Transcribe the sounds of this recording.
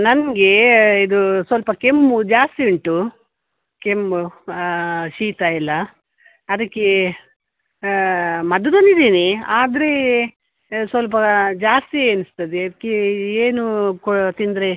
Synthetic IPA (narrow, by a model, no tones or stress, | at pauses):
nɐnɐɡe̞id̪usʋɐlpɐkemːud͡ʒaːst̪iuɳʈu | kemːu | ʃiːt̪ailːɐː | d̪ɐkːe̞ | mɐd̪ɐd̪onid̪iːniaːd̪ɐɾe̞ | sʋɐlp̬ɐd͡ʒaːst̪ieːnist̪ɐd̪eɐd̪ɐkːeeːnukt̪ind̪ɾe